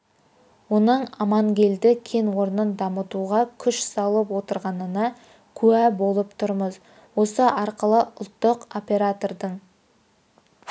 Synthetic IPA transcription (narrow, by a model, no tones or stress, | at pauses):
wo̞nəɴɑmɑŋɡʲe̞ld̪ɪkʲʰe̞nwo̞ɾnənd̪ɑmət̪uʁɑkʲʰʏʃsɑlˠəpwo̞t̪əɾʁɑnənɑ | kʲʰʉæbo̞lˠəpt̪ʰʊɾməz | wo̞səʔɑɾqəlˠəʊlˠt̪ːəqopʲe̞ɾat̪o̞ɾd̪əɴ